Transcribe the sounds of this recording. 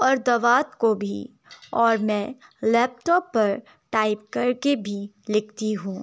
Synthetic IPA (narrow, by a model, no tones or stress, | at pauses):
ɔːɾd̪ɐʋaːt̪kobʱḭ | ɔːɾmɛ̃ːlɛːp̚ʈɔːpːɐɾ | ʈaːɪp̚kɐɾkebʱi | lɪk̚ʰt̪iɦũː